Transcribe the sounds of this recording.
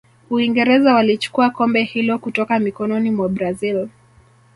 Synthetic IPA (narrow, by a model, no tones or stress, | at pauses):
uiŋɡɛɾɛzawalit͡ʃu̥kuakɔmbɛhilɔkutɔkamikɔnɔnimwabɾazil